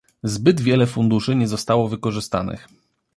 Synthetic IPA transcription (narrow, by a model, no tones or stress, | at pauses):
zbɘd̪vʲjɛlɛfund̪uʂɘɲɛzɔst̪awɔvɘkɔʐɘst̪a̰nɘ̰x